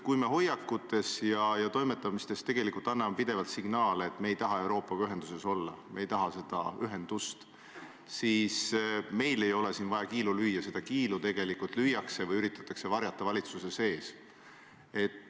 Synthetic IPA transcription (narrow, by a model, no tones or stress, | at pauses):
kujme̞ɦo̞jːɑkːˑut̪ːˑe̞sjɑjɑt̪o̞jmet̪ːˑɑmist̪e̞st̪e̞ɡ̥e̞likult̪ɑnːɑmepid̪̥e̞vɑlt̪siɡ̥nɑːleːt̪ːme̞ːjt̪ɑɦɑe̞wɾo̞ːpːˑɑɡyɦend̪use̞so̞lːɑ̰me̞jt̪ɑɦɑse̞d̪̥ɑ̰yɦe̞nd̪̥ust̪ | siːsme̞jle̞jo̞le̞siːnvɑjɑkiːlulyːjːɑse̞d̪̥ɑkiːlut̪e̞ɡ̥e̞likult̪ˑlyjɑkse̞vɯjyɾit̪ːˑɑt̪ːˑɑkse̞vɑɾjɑt̪ːˑɑvɑlʲit̪suse̞se̞ːs | e̞t̪ː